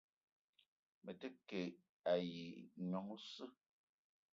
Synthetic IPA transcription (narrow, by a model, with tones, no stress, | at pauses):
mə˨te˦ke˨ | a˨ji˨ɲɔ˨˦ŋ˦sɨ˦